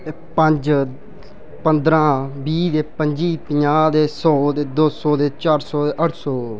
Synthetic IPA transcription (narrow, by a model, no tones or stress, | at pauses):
pəɲd͡ʒ | pənd̪ɾãːbiːd̪eːpəɲd͡ʒiːpɪɲaːd̪eːsɔːd̪eːd̪oːsɔːd̪eːt͡ʃaːɾsɔːd̪eːʔəʈʰsɔː